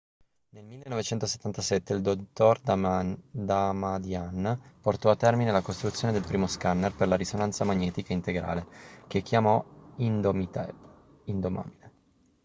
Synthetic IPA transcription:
nelmilːenːɔvet͡ʃɛnt̪ose̥t̪ːant̪asɛt̪ːeild̪ot̪ːord̪ | d̪amad̪janport̪ɔat̪ːɛrminelakost̪ɾut̪sjoːned̪elpɾiːmoskanːerperlaɾisonant̪samaɲːɛːt̪ikaint̪eɡɾa̰ːlek̟ekːjamɔinmi | ind̪oma̰ːbile

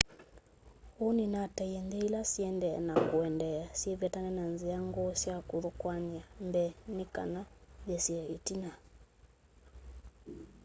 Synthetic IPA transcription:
uninatajɛndɛilasiɛndɛɛ̰nakuɛndɛasiɛvɛtanɛnanziaŋɡɔsjakuɾukwaniambɛnika̰naβɛsiɛitina

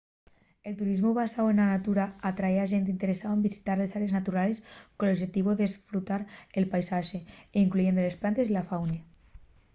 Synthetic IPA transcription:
elt̪uɾizmoβasawenanat̪uɾaat̪ɾaeaʒent̪eint̪eɾesaoembisi̥t̪aɾlesaɾeznat̪uɾale̞skonoʒet̪iβ̞oðesfɾut̪aɾelpajsaʃeiŋkluʝe̞nd̪ole̞splant̪e̞zilafawne

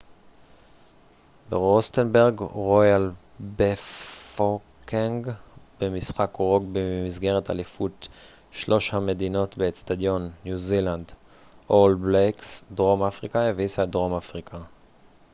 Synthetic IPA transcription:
beʁost̪enbeʁɡʁojal | befokeŋɡbemisχakoʁo̞ɡbemizɡe̞ʁeta̰lefut̪ | ʃlo̞ʃhame̞dino̞tbestad̪jo̞nːjuziland | ʔolbleksdʁo̞mafʁikaevisadʁo̞mafʁikʰa

